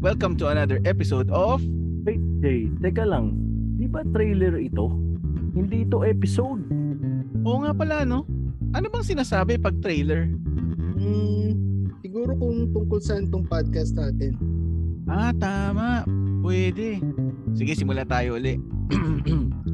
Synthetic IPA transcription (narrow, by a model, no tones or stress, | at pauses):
wɛlkɐmt̪ʊɐnad̪ɛɹʔɛpɪsowd̪of | ɐjd͡ʒɛjd̪ɛkɐlɐŋd̪ibɐt̪ɾɛjlɛɹɪt̪o̞hɪnd̪iʔɪt̪o̞ʔɛːpɪsowd̪̚ʔoːŋapɐlaɐno̞ʔɐnobɐŋsɪnaːsaːbɛpɐɡ̚t̪ɾɛjlɛɹ̩ | sɪɡuːɾokʊŋt̪ʊŋkolsɐʔant̪ʊŋpad̪̚kɐst̪̚naːt̪ɛnʔat̪aːmaʔpwɛːd̪ɛsɪɡɛsɪmʊlat̪aːjoʔʊlɛʔ